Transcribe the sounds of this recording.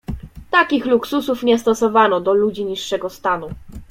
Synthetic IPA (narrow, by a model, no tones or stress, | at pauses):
t̪akʲixluksusufɲɛst̪ɔsɔvanɔd̪ɔlud͡ʑiɲiʂːɛɡɔst̪anu